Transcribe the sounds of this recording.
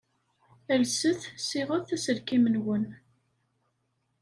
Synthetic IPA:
ælsəθsiʁəθæsəɾkimənwən

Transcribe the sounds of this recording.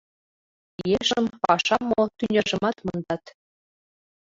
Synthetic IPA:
jeʃəmpɑʃɑmːot̪ynʲĕʒə̆mɑt̪mɤnd̪ɑt̪

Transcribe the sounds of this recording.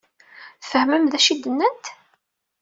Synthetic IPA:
fəhməmðæʃid̪ənːənt̪

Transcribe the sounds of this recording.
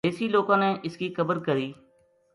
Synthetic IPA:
eːsiːloːkãːneːʔɪskiːkəbəɾkəɾiː

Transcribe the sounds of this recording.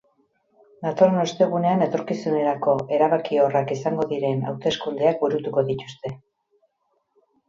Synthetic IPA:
nat̪o̞ɾnost̪e̞ɣ̞une̞ane̞t̪o̞ɾkisune̞ɾako̞ʔe̞ɾaβakio̞rakisaŋɡo̞ðiɾe̞na̰wt̪e̞skund̪eak̚buɾut̪uko̞ðit̪ust̪e̞

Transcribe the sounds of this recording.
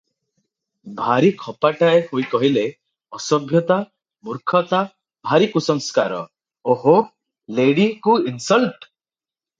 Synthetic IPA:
bʱaɾikʰɔpaʈaehojkɔɦile | ɔsɔbʱjɔt̪a | muɾkʰɔt̪a | bʱaɾikusɔŋskaɾɔ̰ | oɦo | leɽikuinsɔlʈ

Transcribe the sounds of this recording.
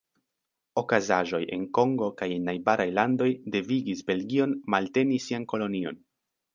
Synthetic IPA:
o̞kazaʒo̞jʔe̞̰nko̞ŋɡo̞kajnajbaɾajlando̞jde̞viɡisbe̞lɡio̞nmalte̞nisianko̞lo̞nio̞̰n

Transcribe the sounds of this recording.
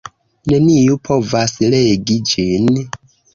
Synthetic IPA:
nenijupʰovasleɡid͡ʒin

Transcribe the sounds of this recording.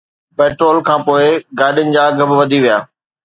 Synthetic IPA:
peːʈɾoːlkʰãːpoːɪɡaːɗɪjənɪ̆d͡ʑaːɐɡəbɪʋɐd̪ʱiʋijaː

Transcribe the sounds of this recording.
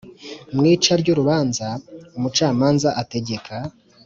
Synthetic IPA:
mŋiːt͡ʃaɾɟoɾuβaːnzaumut͡ʃaːmaːnzaʔate̞ɟe̞kʰa

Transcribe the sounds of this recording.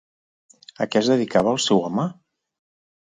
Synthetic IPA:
əkɛzðəðikaβəːlˠsɛwama

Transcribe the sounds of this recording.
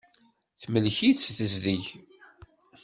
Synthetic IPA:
θməlçit͡sːθəzðiç

